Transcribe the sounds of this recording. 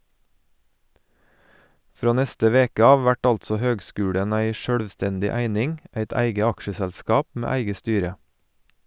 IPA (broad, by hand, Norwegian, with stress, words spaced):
ˈfɾoː ˈnɛstə ˈʋeːkə ˈɑːʋ ˈʋæʈ ˈɑltsɔ ˈhøːɡˌskʉːɽən ˈæɪ ˈʃøːɽʋˌstɛndɪ ˈæɪnɪŋ ˈæɪt ˈæɪɡə ˈɑkʃəsɛlˌskɑːp ˈmeː ˈæɪɡə ˈstyːɾə